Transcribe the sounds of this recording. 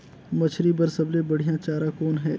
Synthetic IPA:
mɐt͡ʃʰɾibəɾsɐblẽbɐɽ̤ijãt͡ʃaːɾakɔːnɦɛː

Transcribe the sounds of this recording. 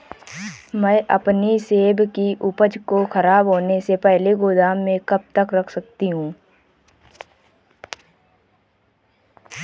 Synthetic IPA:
mɛ̃ʔɐpniseːbʱkiʔʊpəd͡ʒkoxɐɾaːbɦoːnesepɛɦleɡoːd̪aːmːẽkɐb̚t̪əkɾɐkʰsɐk̚t̪iɦũː

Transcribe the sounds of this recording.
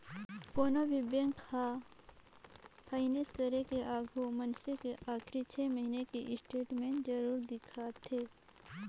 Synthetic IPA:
koːnaʋɪbjə̃ŋkha | pʰaːɪneskəɾekeʔaːɡʱomənsekeʔaːkʰɾit͡ʃʰeːməɦinekeʔɪsʈeːʈmẽʈd͡ʒəɾuːɾd̪ɪkʰat̪ʰeː

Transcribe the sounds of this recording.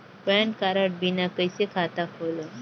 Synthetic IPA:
pɛɳʈkaɾəʈ̚binakəjsekʰat̪akʰolo

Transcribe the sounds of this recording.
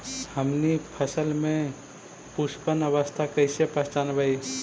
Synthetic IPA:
həmnipʰəsəlmẽ | puspənəβəst̪ʰakəɪsepəɦt͡ʃanbai

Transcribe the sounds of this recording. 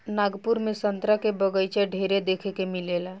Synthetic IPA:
naɡpuɾmesənt̪ɾəkebəɡəjt͡ʃʰeɖʱeɾed̪ekʰɛkemilela

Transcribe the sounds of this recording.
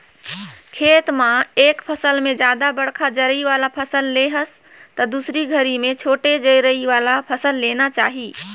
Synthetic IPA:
kʰeːt̪mãeːkpʰəsəlmẽd͡ʒjaːd̪abəɽ̤kʰad͡ʒəɾiʋaːlapʰəsəlːeɦəs | t̪əd̪usɾiɡʱəɾimẽt͡ʃʰoːʈed͡ʒəiɾəɦiʋaːlapʰəsəlːeːnat͡ʃaːɦiː

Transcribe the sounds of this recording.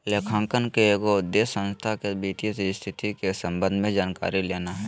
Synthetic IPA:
leːkʰãːŋkənkeeːkoʊd̪eːsːə̃nst̪ʰakebiːt̪isst̪ʰɪt̪ikesə̃mbə̃nd̪ʱmẽd͡ʒaːnka̰ːɾileːnaɦɛː

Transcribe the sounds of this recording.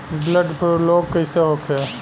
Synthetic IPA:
bləɖpʰəɾloːɡ̚kəɪseɦoːkʰe

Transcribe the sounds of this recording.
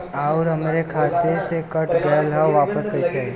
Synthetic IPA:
aʊɾɦɐmɾekʰaːt̪esekəʈʰɡəːlɦɛʋaːpəskɐise

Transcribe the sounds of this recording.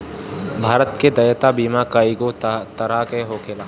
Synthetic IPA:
bʱaːɾət̪ked̪ɐjət̪abiːmakaːiɡot̪ɐɾakeɦoːkʰeːlaː

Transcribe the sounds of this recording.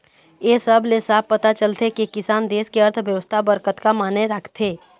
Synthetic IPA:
jeːsəblesaːb̚pɐt̪at͡ʃəlt̪ʰekikɪsaːnd̪eːskeəɾt̪ʰʋjəʋəst̪ʰabəɾkət̪kamaːneɾakʰt̪ʰeː

